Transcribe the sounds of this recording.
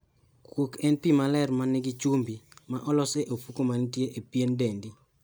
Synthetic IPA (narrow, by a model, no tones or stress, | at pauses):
kwokɛnpimalɛrmanɪɡɪt͡ʃumbimaʔɔlɔseʔofukomantjeʔepjendendi